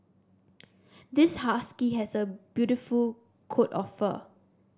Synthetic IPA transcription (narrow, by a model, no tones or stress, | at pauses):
d̪ɪshaskiɦɛsəb̥jutiful | kʰotɔ̰fə̰